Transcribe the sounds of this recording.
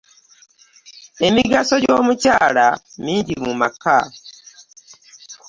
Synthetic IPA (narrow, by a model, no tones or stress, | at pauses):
e̞miɡaso̞ɟoːmucaːlamiːɲɟimumaka